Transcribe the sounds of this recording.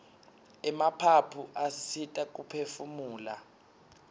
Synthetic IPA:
ɛmapʰapʰuʔasitʼak̬ʼupʰefumuːla̰

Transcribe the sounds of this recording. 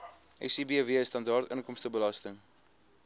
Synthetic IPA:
ʔɛ̰sibiviəstɐndɑrtəŋkɔmstəbəlɐstəŋ

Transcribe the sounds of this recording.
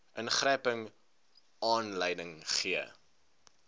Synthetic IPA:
ʔənχrɛjpəŋ | ɑːnləjdəŋχiə

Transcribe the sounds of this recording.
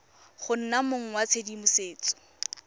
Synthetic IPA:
χʊn̩namoŋ̩wat͡sʰedimʊseːt͡sɔ̥

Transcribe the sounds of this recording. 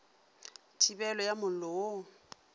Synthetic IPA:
tʰibɛlɔjamʊlɔo

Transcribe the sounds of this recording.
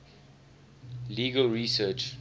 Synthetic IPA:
liːɡəlɹisɜt͡ʃ

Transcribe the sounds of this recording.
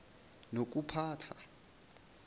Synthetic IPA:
nok̬ʼupʰaːtʰa

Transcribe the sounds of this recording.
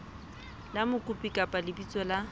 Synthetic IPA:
lamʊkʼʊpʼikʼapʼalɪbit͡sʼɔla

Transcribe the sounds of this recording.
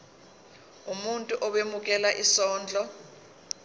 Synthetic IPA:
umuntʼuʔɔɓemuk̬ʼɛlaʔisɔːnd͡ɮʱɔ

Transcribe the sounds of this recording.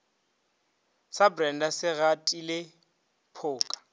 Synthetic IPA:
sabrɛndasɪɣatʼilɪ | pʰʊːkʼḁ

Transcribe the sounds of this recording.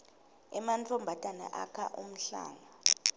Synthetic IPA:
ɛmant͡fʰʼɔmbʱatʼana̰ʔakʰa̰ʔum̩ɬa̰ːŋa

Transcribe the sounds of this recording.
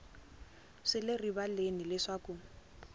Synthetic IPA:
ʂɪlɪribalenilɪʂakʼʊ

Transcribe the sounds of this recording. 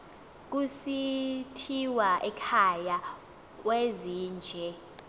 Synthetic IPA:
k̬ʼusitʰiwaʔɛkʰaja | k̬ʼweziːnd͡ʒʱɛ

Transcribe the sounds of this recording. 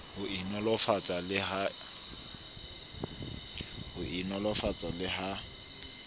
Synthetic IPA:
hʊinɔlɔfat͡sʼalɪɦa | hʊʔinɔlɔfat͡sʼalɪɦa

